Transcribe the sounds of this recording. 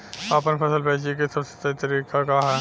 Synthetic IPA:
ɐpənpʰɐsəlpɛːt͡ʃek̬esɐbse̥t̪ɐt̪ɐɾiːkakaɦɛ

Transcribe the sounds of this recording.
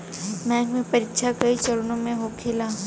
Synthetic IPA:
mɛ̃ːŋɡmẽpɐɾɪkːʃʰakɐit͡ʃɐɾʊnõmẽɦokʰɪlaː

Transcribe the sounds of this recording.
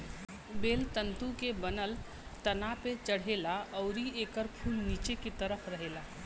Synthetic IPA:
beːlt̪ənt̪ũkebənəl | t̪ənapet͡ʃəɽ̤elaɔʊɾieːkəɾpʰuːlniːt͡ʃeket̪əɾəpʰɾəɦela

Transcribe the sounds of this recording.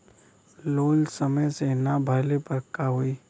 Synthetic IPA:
loːlsəməjsenabʱaːlepəɾkaɦʊiː

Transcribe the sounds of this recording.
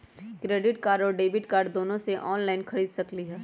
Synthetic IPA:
kɾeːɖɪʈkaːɾɔːɾɖeːbɪʈkaːɾɖd̪oːnõseʔɔːnlaːɪnkʰɐɾiːd̪sɐkliɦɛː

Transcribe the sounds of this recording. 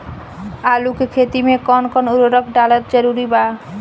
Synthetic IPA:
alukekʰet̪imekɔnkɔnuɾoɾɔkʰɖalɔɾd͡ʑəɾuɾiba

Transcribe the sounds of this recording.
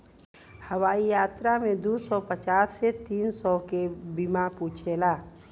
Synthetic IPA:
həwaːijaːt̪ɾamẽd̪usɔpət͡ʃaːsːet̪iːnsɔkebimapuːt͡ʃʰelaː

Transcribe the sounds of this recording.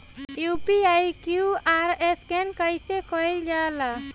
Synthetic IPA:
jupiajkjuaɾeskenkəjsekɔild͡ʒala

